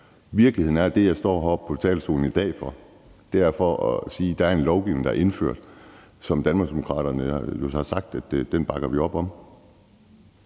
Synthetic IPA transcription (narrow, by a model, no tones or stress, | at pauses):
ʋiɐɡ̥lihe̝ð̰ˠn̩æɐd̥e̝jɑ̈ɪsd̥ɒ̰ːɦɒ̥pʰɒ̽t͡sʰɛ̰ːlso̝̰ːln̩id̥ɛ̰ːfɒ̽ | d̥eææɐfɒɒsiːd̥ɑ̈æɐe̝nlɒʊɡ̥iʊne̝ŋd̥ɑ̈æɐe̝nfø̰ɐ̰d̥ | sɒ̽md̥ænmɑ̈ɡsd̥e̝mo̝kʰʁɑ̰̈ːɾɐnəohɑ̈sɑ̈ɡ̥̚d̥æd̥d̥enb̥ɑ̈ɡ̥ɐʋiɒ̽b̥ɒ̽m